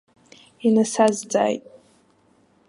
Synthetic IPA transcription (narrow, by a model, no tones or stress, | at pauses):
inasazd͡za̰ːjtʼ